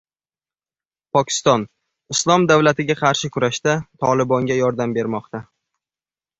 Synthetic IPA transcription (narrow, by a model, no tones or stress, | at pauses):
pʰɒkʲʰɪ̥st̪ɒn | ɪslˠɒmd̪avlat̪ɪɡʲaqʰɑɾʃɪkʰʊɾaʃt̪at̪ʰɒlˠɪbɒŋɡʲajɒɾd̪ambe̞ɾmɒq̚t̪a